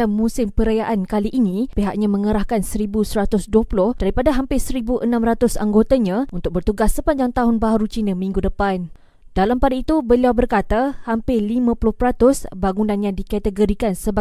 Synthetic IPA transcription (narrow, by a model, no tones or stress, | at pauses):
anmũsɪmpəɾajaʔankaliʔːnĩpeɦaʔ̚ɲãmə̃ŋəɾahkansəɾibusəɾat̪ʊsduəpulʊhd̥aɾipadaɦampɪsəɾibuʔənãmrat̪ʊsa̰ŋɡot̪aɲãʔunt̪ʊk̚bərt̪uɡasːəpaɲd͡ʒaŋt̪aɦʊnbaɦaɾut͡ʃinãmĩŋɡudəpan | dalampadait̪ubəliawbərkat̪ahampɪlimãpulʊhpəɾat̪ʊsbaŋunãnjãdikat̪əɡoɾikansəba